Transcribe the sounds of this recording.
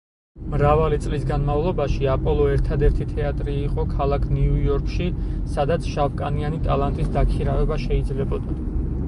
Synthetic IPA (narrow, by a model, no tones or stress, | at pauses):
mɾavalit̪sʼlisɡanmavlˠɔbaʃiapʼɔlˠɔɛɾt̪ʰad̪ɛɾt̪ʰit̪ʰɛat̪ʼɾiːqʼɔkʰalˠakʰniuɔɾkʼʃisad̪at̪sʰʃalkʼanianit̪ʼalˠant̪ʼisd̪akʰiɾavɛbaʃɛid̪zlɛbɔd̪a